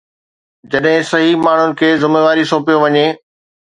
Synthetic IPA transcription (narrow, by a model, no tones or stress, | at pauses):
d͡ʑɐɗɦɪ̃sɐɦimaːɳ̤ʊnɪ̆kʰeːzɪmeːʋaːɾisoːpijoʋɐɲeː